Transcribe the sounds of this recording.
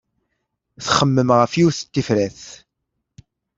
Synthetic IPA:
θχəmːəmʁəfjuθə̥t̪ːifɾæθ

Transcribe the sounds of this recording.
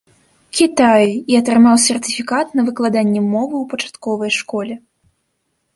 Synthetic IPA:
kʲit̪ajiɐt̪ɾɨmawsʲɛrt̪ɨfʲikat̪nɐvɨklˠad̪anʲːɛmɔvɨwpɐt͡ʂḁt̪kɔvɐjʂkɔlʲɛ

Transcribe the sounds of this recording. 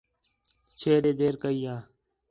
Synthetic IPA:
t͡ʃʰeːɾeːd̪eːɾkəiːãː

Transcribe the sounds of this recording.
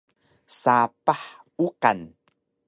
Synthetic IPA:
sapaħ | uka̰n

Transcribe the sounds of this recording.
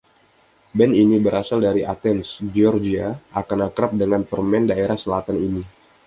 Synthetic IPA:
bɛninibəɾʔasaldaɾiʔat̪ɛnsd͡ʒiɔrd͡ʒiaʔakanakɾap̚dəŋanpərmɛndaeɾahsəlat̪anini

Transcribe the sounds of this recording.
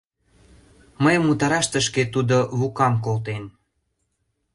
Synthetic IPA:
məjəmːut̪ɑɾɑʃt̪əʃket̪ud̪oβukɑmkolt̪en

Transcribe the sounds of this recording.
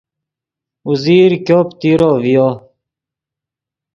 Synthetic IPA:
uziːɾkjoːpt̪iːɾoːvijoː

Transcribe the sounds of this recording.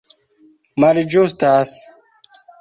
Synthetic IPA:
mɐɾid͡ʑust̪aːs

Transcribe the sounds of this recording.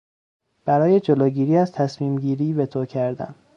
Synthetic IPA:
b̥æɾɒːje̞d͡ʒoloːɟiːɾiːæzt̪ʰæsmiːmɟiːɾiːbet̪ʰoːcʰæɾd̪æ̰n

